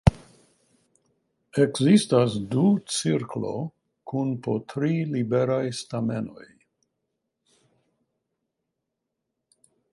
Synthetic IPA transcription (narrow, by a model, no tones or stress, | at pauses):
ekzistasdut͡siɾklo̞̰ | kunpotʰɾilibeɾajstameno̞̰j